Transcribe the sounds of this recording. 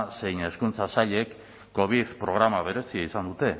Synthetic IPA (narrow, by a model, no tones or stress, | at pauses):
se̞jne̞skunt͡sasaʎe̞kː | o̞β̞iθpɾo̞ɣ̞ɾamaβe̞ɾe̞siaisand̪ut̪e̞